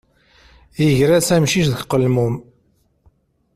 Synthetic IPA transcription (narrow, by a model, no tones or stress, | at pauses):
jəʝɾæt͡sæmʃiʃðəkqəlmum